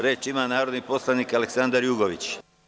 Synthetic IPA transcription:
ɾeːt͡ʃimaːnaːɾod̪nipo̞slˠaniːkaleksand̪aɾjuɡoʋit͡ɕ

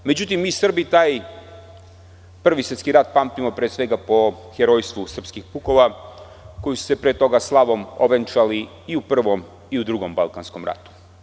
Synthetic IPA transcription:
me̞d͡ʑut̪imːiːsr̩bit̪aːj | pr̩ʋisət̪skiɾat̪̚paːmt̪imo̞pɾesʋe̞ɡapo̞ | xeɾo̞jst̪ʋusr̩pskixpuko̞ʋa | ko̞jisu̥se̞pɾeːt̪o̞ɡaslˠaʋo̞moʋent͡ʃali | iupr̩ʋo̞m | iud̪ɾuɡo̞mba̰lˠkansko̞mɾa̰t̪u̥

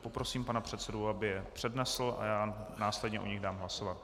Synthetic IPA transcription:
po̞pɾo̞siːmpanapr̝̥ɛt̪sɛdoabɪjɛpr̥ɛdnɛsl̩ʔa̰jaːnaːslɛdɲɛʔoɲɪɣdaːmɦlaso̞vat̪

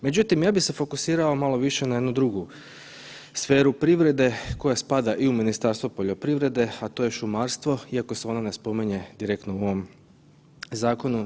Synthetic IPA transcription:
me̞d͡ʑut̪imjaːbixse̞fo̞kusiːɾaomalo̞ʋiʃe̞najed̪nud̪ɾuɡu | sfe̞ːɾupɾiʋɾe̞d̪e̞ko̞jaspad̪aʔiuminist̪aːɾst̪ʋopo̞ʎo̞pɾiʋɾe̞d̪e̞at̪o̞ːje̞ʃumaːɾst̪ʋo̞iako̞seo̞nane̞spo̞miɲe̞d̪iɾekt̪nouoʋo̞m | zaːko̞nu

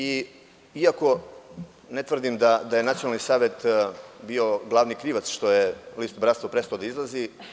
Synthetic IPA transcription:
i | iako̞ | net̪ʋr̩d̪imd̪ad̪ajenat̪sijonalnisaːʋet̪bio̞ɡlˠaːʋnikɾiːʋat̪sʃt̪o̞jeliːst̪bɾat̪t̪apɾest̪aod̪aizlˠazi

